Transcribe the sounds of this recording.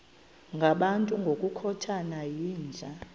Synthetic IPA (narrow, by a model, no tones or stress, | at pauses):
ŋɡʱaɓantʼuŋɡʱokʼukʰɔtʰanajiːnd͡ɮʱa